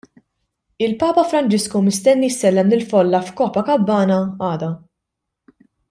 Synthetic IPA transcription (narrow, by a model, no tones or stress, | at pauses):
ɪlpɐːpɐfɾɐnt͡ʃɪskumɪst̪ɛnːijsːɛlːɛmlɪlfɔlːɐfkɔːpɐkɐbːɐːnɐɐːd̪ɐ